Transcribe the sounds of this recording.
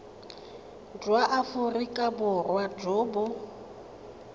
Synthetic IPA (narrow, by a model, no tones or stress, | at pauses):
d͡ʒwaʔafʊrikʼabʊrwad͡ʒoːbʊ